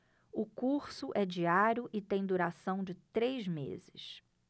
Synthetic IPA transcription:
ʊkuɾsʊʔɛd͡ʒiaɾjʊʔɪt̪ẽj̃d̪uɾasɐ̃w̃d͡ʒɪt̪ɾejzmḛzɪ̰s

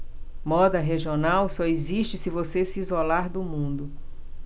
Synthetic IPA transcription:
mɔd̪ɐɦeʒionawsɔeziʃt͡ʃɪsɪvosesɪːzolaɾd̪ʊmũnd̪ʊ

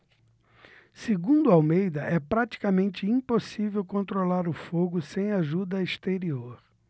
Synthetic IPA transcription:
seɡũnd̪ʊawmejd̪ɐʔɛpɾat͡ʃi̥kɐmẽnt͡ʃɪĩposivewkõnt̪ɾolaɾʊfoɡʊsẽj̃aʒud̪ɐest̪eɾioɾ

